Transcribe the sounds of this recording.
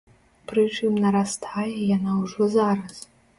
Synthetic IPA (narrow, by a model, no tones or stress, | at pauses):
prɨt͡ʂʰɨmnɐɾast̪ʰajɛjanauʐɔzaɾɐs